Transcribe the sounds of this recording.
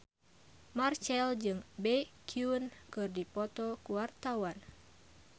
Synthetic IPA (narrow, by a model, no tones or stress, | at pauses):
mart͡ʃɛld͡ʒɨŋbɛkʰiunkɨrdipɔt̪ɔkuwart̪awan